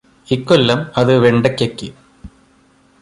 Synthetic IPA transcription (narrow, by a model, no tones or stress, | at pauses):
ikːolːɐmɐðɨʋeɳɖɐkːekːɨ